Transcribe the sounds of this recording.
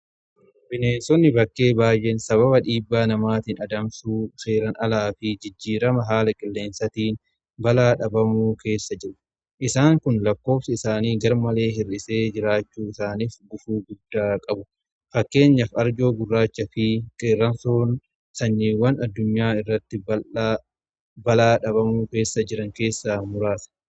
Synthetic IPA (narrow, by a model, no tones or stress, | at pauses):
bɪneːnsɔnːɪbɐkːe̞ːbaːjʔensɐβɐβɐᶑiːbːaːnɐmaːt̪iːnɐd̪ɐmsuːse̞ːɾɐnɐlaːfɪd͡ʒɪd͡ʒːiːɾɐmɐɦaːlɐkʼɪlːe̞ːnsɐt̪iːn | bɐlaːᶑɐbɐmuːkʰe̞ːsːɐd͡ʒɪɾʊ̥ | ʔɪsaːŋkʊnlɐkːo̞ːfsɪɪsaːniːɡɐɾmɐle̞ːɦɪrːɪse̞ːd͡ʒɪɾaːt͡ʃːuːɪsaːniːfɡʊfuːɡʊd̪ːaːkʼɐbʊ | fɐkːe̞ːɲːɐfɐɾd͡ʒo̞ːɡʊrːaːt͡ʃːɐfɪkʼerːɐnsoːn | sɐɲːiːwɐnɐd̪ːʊɲːaːɪrːɐt̪ːɪbɐ | bɐlaːᶑɐbɐmuːke̞ːsːɐd͡ʒɪɾɐŋke̞ːsːamʊɾaːsɐ̥